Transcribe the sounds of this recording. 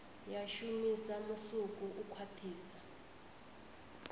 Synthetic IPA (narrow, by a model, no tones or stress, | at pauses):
jaʃumisamusuk̬ʼuʔukʰwatʰiːsḁ